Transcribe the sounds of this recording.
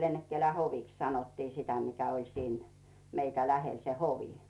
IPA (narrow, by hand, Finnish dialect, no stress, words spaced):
lenːekːælæ hoʋiks sɑnotːiː sitæ mikæ olʲ siːn meitæ læhel se hoʋi